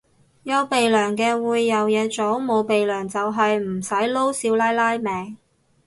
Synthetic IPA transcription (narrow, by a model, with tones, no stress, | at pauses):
jɐ˨˧wpe˨jlœː˨˩ŋkɛː˧wuː˨˧jːɐ˨wjɛː˨˧t͡so˨˥wmo˨˧wpe˨jlœː˨˩ŋt͡sɐ˨wɦɐ˨jm̩˨˩sɐ˨˥jlo˥wsiː˨˥wlaː˥jlaː˥jmɛː˨˧ŋ